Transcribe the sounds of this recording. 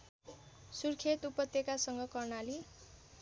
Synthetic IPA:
surkʰet̪upʌt̪jekasʌŋɡʌkʌrnali

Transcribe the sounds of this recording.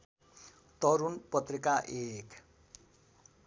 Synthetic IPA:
t̪ʌɾunpʌt̪rikaʔek

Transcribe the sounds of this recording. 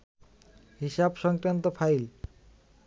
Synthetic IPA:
hiʃabʃɔŋkɾant̪ofʰajl

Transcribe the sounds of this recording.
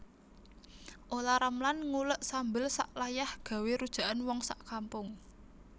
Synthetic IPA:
ʔolaɾamlanŋuləʔsambɪlsa̰ʔlajahɡ̥ä̤weɾud̥ʒ̥a̤ʔanwɔŋsaʔkampʊŋ

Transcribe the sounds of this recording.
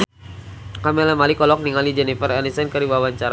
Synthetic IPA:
kamɛlɛmalikɔlɔk̚niŋalid͡ʒɛnifəɾɛnisɛnkəɾibawaɲt͡ʃaɾa

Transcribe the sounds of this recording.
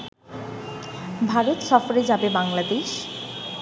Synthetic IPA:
bʱaɾot̪ʃɔfoɾed͡ʑabebaŋlad̪eʃ

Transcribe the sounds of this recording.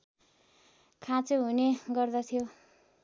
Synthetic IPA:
kʰãt͡soɦuneɡʌrd̪ʌt̪ʰijo

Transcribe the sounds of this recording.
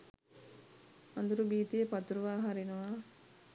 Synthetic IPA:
ɐnd̪uɾubiːt̪ijepɐt̪uɾuʋaːɦɐɾinuʋaː

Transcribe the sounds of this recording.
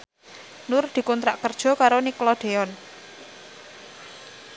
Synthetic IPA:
nʊrd̪̥i̤kunt̪ɾaʔkərd̥ʒ̥ɔ̤kaɾoniklɔd̪̥e̤ɔn

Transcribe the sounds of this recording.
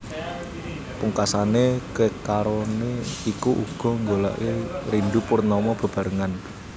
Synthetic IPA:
puŋkasanekəkaɾoneikuʔṵɡ̥ɔ̤ŋɡola̰ʔeɾinɖupʊrnɔmɔb̥a̤b̥a̤ɾəŋan

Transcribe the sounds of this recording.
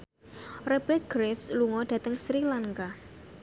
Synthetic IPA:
rɛb̥ɛt̪̚ɡ̥ɾɛfsluŋɔɖ̥ä̤t̪əŋsɾilaŋka

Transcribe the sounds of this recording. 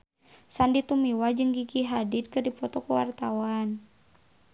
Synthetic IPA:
sandit̪umiwad͡ʒɨŋɡiɡiɦadit̪̚kɨrdipɔt̪ɔkəwa̰rt̪awan

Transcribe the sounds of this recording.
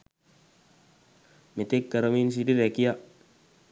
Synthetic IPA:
met̪ekːaɾomins̬idiɾekia

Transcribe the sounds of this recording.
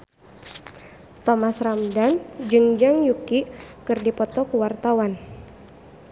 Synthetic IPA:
t̪ɔmasramdand͡ʒɨŋd͡ʒaŋjukikɨrdipɔt̪ɔkuwart̪awan

